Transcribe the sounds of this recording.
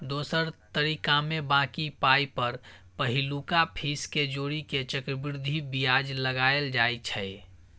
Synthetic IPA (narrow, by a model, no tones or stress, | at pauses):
d̪oːsəɾt̪əɾiːkamẽbãːkipaːipəɾ | pəɦɪlukapʰisked͡ʒoːɾiket͡ʃəkɾəbɪɾd̪ʱibijaːd͡ʒləɡaːjeld͡ʒaːit͡ʃʰɛ